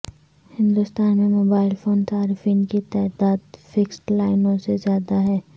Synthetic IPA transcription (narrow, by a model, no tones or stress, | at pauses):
hɪ̃nd̪ʊst̪aːnmẽmoːbaːɪlfoːnsaːɾɪfiːnkit̪aːd̪aːd̪fɪksʈlaːɪnõsezjaːd̪aɦɛː